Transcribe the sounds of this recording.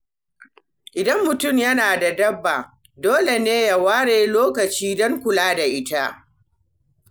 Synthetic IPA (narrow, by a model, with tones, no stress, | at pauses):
ʔɪ˨dɐ˦mːʊ˨tʊ˦˨mjɐ˦naː˨da˨dɐ˦bːa˨ | doː˦le˨neː˦ja˨waː˦ɽeː˨loː˦kɐ˨t͡ʃiː˦dɔ˦ŋkʷʊ˨laː˦da˨ʔɪ˦ta˦ʔ